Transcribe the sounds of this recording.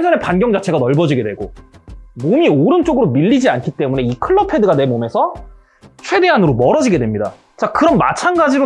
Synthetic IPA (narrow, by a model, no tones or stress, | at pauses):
esʰʌnepanɡjʌŋd͡ʑat͡ɕʰe̞ɡanʌɭbʌd͡ʑiɡe̞dwe̞ɡo | momioɾɯnt͡ɕ͈oɡɯɾomiʎːid͡ʑiankʰit͈e̞mune̞ikʰɯɭːʌpʰe̞dɯɡane̞mome̞sʰʌ | t͡ɕʰwe̞de̞anɯɾomʌɾʌd͡ʑiɡe̞dwe̞mɲida̰ | t͡ɕakɯɾʌnma̰t͡ɕʰanɡad͡ʑiɾo